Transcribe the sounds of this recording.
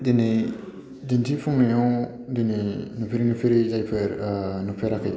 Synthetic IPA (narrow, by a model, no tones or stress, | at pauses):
dini | dintʰipʰuŋnɯjɔ | d̪ininupʰiɾinupʰiɾizajpʰɯɾnupʰeɾakʰɯj